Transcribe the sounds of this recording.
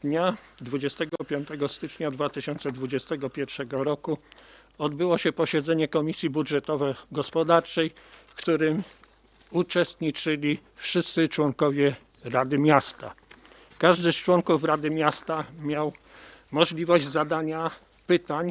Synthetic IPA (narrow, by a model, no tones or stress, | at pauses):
ɲad̪vud͡ʑɛst̪ɛɡɔpʲjɔnt̪ɛɡɔst̪ɘt͡ʂɲad̪vat̪ɘɕɔnt̪sɛd̪vud͡ʑɛst̪ɛɡɔpʲjɛɾfʂɛɡɔɾɔku | ɔd̪bɘwɔɕɛpɔɕɛd̪zɛɲɛkɔmʲisʲjibudʐɛt̪ɔvɛɡɔspɔd̪aɾt͡ʂɛjfkt̪uɾɘm | ut͡ʂɛst̪ɲit͡ʂɘlʲifʂɘst̪sɘt͡ʂwɔŋkɔvʲjɛ | ɾad̪ɘmʲjast̪a̰ | kaʐd̪ɘst͡ʂwɔŋkufɾad̪ɘmʲjast̪amʲjaw | mɔʐlʲivɔʑd͡ʑzad̪aɲa | pɘt̪aɲ